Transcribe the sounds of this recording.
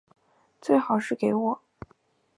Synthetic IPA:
t͡swe˥˩ɪxɑ˨˩ʊʂɻ̩˥˩ke˧˥ɪwɔ˨˩˦

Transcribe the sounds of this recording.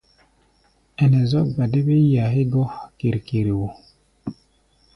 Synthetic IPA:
ɛ˨nɛ˨zɔ˦ɡa˨de˦be˦ja˨ɦi˦ɡɔ˦ki˨ɾki˨ɾi˨wo˨

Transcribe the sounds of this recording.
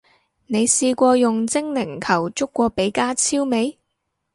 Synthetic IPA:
ne˨˧jsiː˧kʷɔː˧jʊ˨ŋt͡sɪ˥ŋnɪ˨˩ŋkʰɐ˨˩wt͡sʊ˥kːʷɔː˧pe˨˥jkaː˥t͡sʰiː˥wme˨˧j

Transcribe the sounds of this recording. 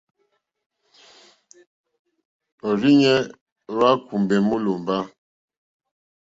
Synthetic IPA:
o˨ɾi˦ɲɛ˦ | wa˦ku˨mbɛ˨mu˦lo˨m˨ba˦

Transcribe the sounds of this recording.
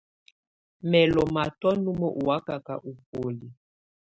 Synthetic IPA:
mɛ˨lɔ˨ma˨tɔ˦nu˦mɔ˦ʔu˨wa˦ka˨ka˨ʔu˨p̚o˨li˨

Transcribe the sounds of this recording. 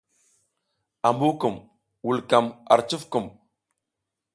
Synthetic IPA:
a˨mbu˦kə˨m | wu˨lka˨ma̰˨ɾt͡ʃə˦fkə˨m

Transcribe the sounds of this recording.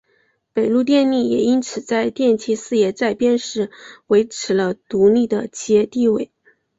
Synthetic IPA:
pe˨˩ɪlu˥˧t̪̬jɛ˥˧nli˥˩jɛ̰˨˩i˥nt͡sʰɹ̩˨˩t͡sa˥˧ɪt̪jɛ˥˩nt͡ɕʰi˧˥sɹ̩˥˧jɛ˧˥t͡sa˥˩ɪpjɛ˥nʂɻ̩˥˩we˧˥ɪʈ͡ʂʰɻ̩˧˥lə˧t̪u˧˥li˥˩d̪ə˩t͡ɕʰi˧˥ɛ˥˧t̪i˥˧we˥˩ɪ

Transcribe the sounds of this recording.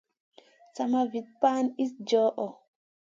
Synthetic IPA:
sa˨mavi˨t̪̚paː˦ni˦sd͡ʒɔː˦ʔɔ˨

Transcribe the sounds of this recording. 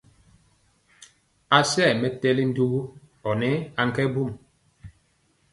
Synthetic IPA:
a˨sɛ˦˨mɛ˨tɛ˦li˦n̩˦du˦ɣu˦ | ɔ˨nɛ˦a˨ŋ̩˦kɛ˦bu˦˨m

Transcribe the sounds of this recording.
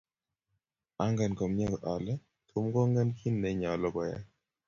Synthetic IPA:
a˦ŋɡa˨nkɔ˨mɲa˦ɡɔ˨ʔa˨lɛ˦ | t̪ʰʊ˦mɡɔ˦ŋɡɛ˦nkʰi˦nːɛ˨ɲa˨lɔ˦˨ɡɔ˨ja̰˦

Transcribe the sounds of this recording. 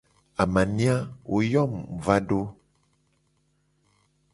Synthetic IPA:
a˨mã˨nĩ˦a˦wʔo˨jɔ˦˨mva˦ɖo˦

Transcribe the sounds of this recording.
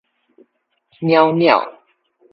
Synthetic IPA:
mjɑ˥˦ʊnjɑ̰˥˨ʊ

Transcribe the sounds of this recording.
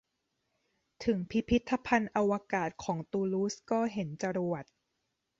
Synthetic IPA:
t̪ʰɯ˩˦ŋpʰi˦˥pʰːi˦˥t̪ʰːa˧pʰa˧nʔa˧wa˧kaː˨˩t̪̚kʰɔː˩˦ŋt̪uː˧luː˦˥skɔː˥˩ɦe˩˦nt͡ɕa˧ɾu˨˩ət̪̚

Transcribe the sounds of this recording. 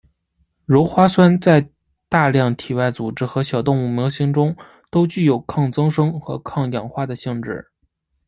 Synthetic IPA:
ɻo˧˥ʊxwa˥swa˥nt͡sa˥˧ɪ | t̪a˥˧ljɑ˥˩ŋt̪ʰi˨˩wa˥˩ɪt͡su˨˩ʈ͡ʂɻ̩˥xɤ˧˥ɕjɑ˨˩ʊt̪ʊ˥˧ŋu˥˩mjɑ˧˥ʊɕi˧˥ŋʈ͡ʂʊ˥ŋ | t̪o˥ʊt͡ɕy˥˩jo˨˩ʊkʰɑ˥˩ŋt͡sɤ˥ŋʂɤ˥ŋxɤ˧˥kʰɑ˥˩ŋjɑ˨˩ŋxwa˥˩d̪ə˨ɕi˥˧ŋʈ͡ʂɻ̩˥˩

